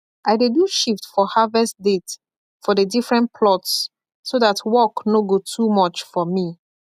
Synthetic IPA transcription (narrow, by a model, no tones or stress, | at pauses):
ʔajdeduʃiftfɔhavɛstdet | fɔdədifɹɛ̃npʰlɔts | soðatwɔknoɡotʰumɔt͡ʃfɔmi